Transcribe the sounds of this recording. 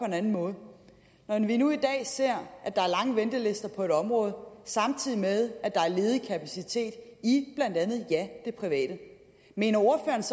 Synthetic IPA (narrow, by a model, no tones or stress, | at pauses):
pʰɒ̽e̝nænn̩mɔ̽ːð̩ˠ | nɒʋinuid̥ɛ̰ːse̝ɐ̰ʔæd̥ɑ̈æɐlɑ̈ŋəʋend̥əle̝sd̥ɐpʰɒ̽e̝ɾ̥ɒ̽mʁɔ̽ːð̞̩ˠsɑ̈mt͡sʰið̰ˠimeð̞ˠæd̥ɑ̈æɐle̝ːðˠkʰæpʰæsit͡sʰe̝̰ːd̥ib̥læn̰d̥ænð̞̩ˠjæd̥e̝pʰʁiʋɛ̰ːd̥ə | me̝̰ːnɐo̝ɐfø̰ːɐns